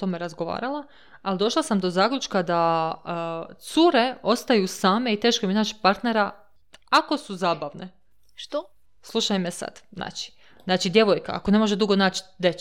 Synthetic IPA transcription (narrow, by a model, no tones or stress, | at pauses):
t̪o̞mejeɾazɡo̞ʋa̰ːɾala | alid̪o̞ʃlˠasamd̪o̞zaːklʲut͡ʃkad̪a | t̪suɾe̞o̞st̪ajusaːme̞it̪e̞ːʃkominaːt͡ʃpaɾt̪ne̞ɾa | ako̞suzaːbaʋne̞ | ʃt̪o | slˠuʃajmesa̰d̪̥znʔa̰ːt͡ʃi̥ | znaːt͡ʃid̪je̞ʋojka̰a̰ko̞ne̞mo̞ʒed̪uɡo̞naːt͡ʃd̪e